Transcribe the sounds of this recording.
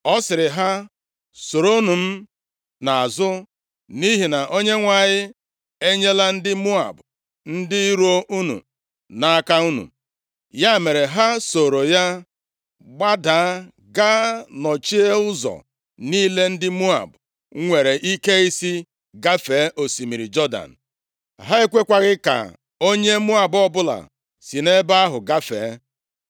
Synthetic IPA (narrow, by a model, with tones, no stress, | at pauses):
ɔ˦sɪ˨ɾɪ˨ɦa˦ | so˨ɾo˦nu˨m̩˦ | na˨a˨zʊ˦ | ni˦ɦi˨na˨ʔo˦ɲe˦ŋʷa˨ɲɪ˦ | e˦ɲe˦la˦n̩˦dɪ˦mu˦a̰˨b | n̩˦dɪ˦i˦ɾo˦ʔu˦nṵ˨ | na˨˦ka˦u˦nṵ˨ | ja˦˨me˨ɾe˨ɦa˦so˨ɾo˨ja˦ | ɡ͡ba˦da˨a˦ | ɡa˦nɔ˨t͡ʃi˦e˦ʊ˦zɔ̰˨ | niː˦le˦n̩˦dɪ˦mu˦a̰˨b | ŋʷe˨ɾe˨ʔi˦ke˦i˦si˦ | ɡa˦fe˨˦ʔo˨si˨mi˨ɾi˨d͡ʒɔ˦da̰˨n̩˨ | ɦa˦e˦kʷe˦kʷa˨ɣɪ˦ka̰˨ | o˦ɲe˦mu˦a˨bɔ˦bʊ˦la̰˨ | si˨ne˦ba˦a˦ɦʊ˨ɡa˦fḛː˨˦